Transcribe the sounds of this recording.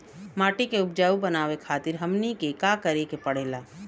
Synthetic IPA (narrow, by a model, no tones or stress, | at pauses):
maːʈikeʊb̚d͡ʒaːubɐnaːʋekʰaːt̪ɪɾɦɐmnikekaːkəɾekepɐɽ̤eːlaː